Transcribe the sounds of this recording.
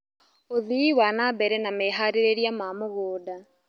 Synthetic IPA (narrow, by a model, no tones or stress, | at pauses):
oðiiwanabɛɾɛnameɦaɾeɾeɾiamaːmoɣoːda